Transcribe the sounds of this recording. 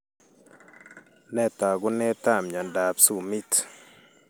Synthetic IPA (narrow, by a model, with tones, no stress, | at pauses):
nɛ˦˨t̪a˨ɡʊ˦nɛ˦ta˦˨mɲɔ˨nda˨psu˨mi˦t